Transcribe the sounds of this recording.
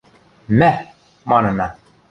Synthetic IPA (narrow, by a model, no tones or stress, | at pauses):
mɛ | mɑnəna